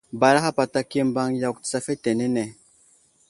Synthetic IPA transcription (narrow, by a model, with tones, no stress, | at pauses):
ba˨ɾa˦xa˦pa˨ta˦ke˦m˦ba˦ŋja˨ktsa˦fe˦te˨ne˦ne˨